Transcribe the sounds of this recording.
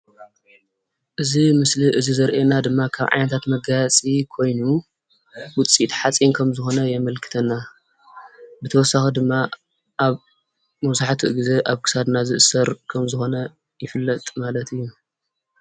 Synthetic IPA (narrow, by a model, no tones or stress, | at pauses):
ʔɨzimɨsliʔɨzizɐɾʔenad̪ɨmːakʰa̰βʕa̰jnɐt̪ʰat̪mɐɡat͡sʼikʰo̞jnu | wʊt͡sʼit̪ħat͡sʼinkʰɐmzɨxo̞nɐjɛmɐlkʰɨ̥t̪ʰɐnːa | bɨt̪ʰɐwɔsːaxid̪ɨmːa | ʔaβ | mɐzaħt̪ʰiʔɨɡize̞ʔaβkʰɨ̥sad̪nazɨʔɨsɐɾkʰɐmzɨxo̞nɐ | jɪfɨlːɐt̪ʼmalɐt̪ʰɨjːu